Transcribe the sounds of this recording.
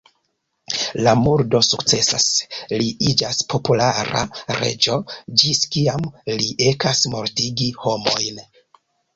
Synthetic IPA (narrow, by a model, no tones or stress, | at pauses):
lamuɾdo̞sukt͡se̞sa̰sliid͡ʒaspʰo̞pulaɾa̰ɾe̞̰d͡ʒo̞d͡ʒiskiamliʔe̞kasmo̞ɾtiɡiho̞mo̞̰jn